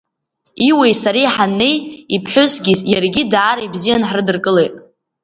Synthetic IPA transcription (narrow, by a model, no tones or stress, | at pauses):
iwe̞jsaɾijħanːe̞jipʰħʷʊsɡʲijarɡʲidaːɾajbzijanħrɨdɨrkʼɨlejtʼ